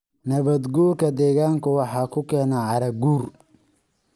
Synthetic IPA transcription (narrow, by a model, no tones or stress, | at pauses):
nɐβɐd̪ɡuːrkʰɐd̪ɛːɣaːŋkʰʊwɑħɑːkʰʊkʰɛːnaʕɑɾɐɡuːr